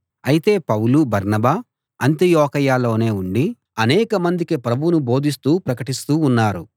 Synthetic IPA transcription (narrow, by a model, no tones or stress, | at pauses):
ɐjit̪e̞ːpɐwlubɐɾnɐbaː | ɐnt̪ijɔːkɐjaːlo̞ːne̞ːuɳɖi | ɐnɛːkɐmɐnd̪ikipɾɐbʱunubo̞ːd̪ʱis̬t̪uːpɾɐkɐʈist̪uːnːaːɾu